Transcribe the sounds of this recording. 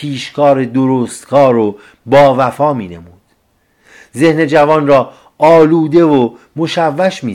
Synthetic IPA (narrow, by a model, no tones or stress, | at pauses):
iːʃkʰɒːɾed̪oɾoːst̪kʰɒːɾo | bɒːvæfɒːmiːne̞̰muːd̪̥ | ze̞hne̞d͡ʒævɒːnrɒː | ɒːluːd̪e̞vo | moʃævːæʃmiː